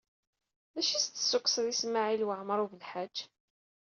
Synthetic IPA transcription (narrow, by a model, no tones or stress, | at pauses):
ðæʃist̪ːə̥sːuksðismaʕilwəʕmɾˤuvəlħad͡ʒː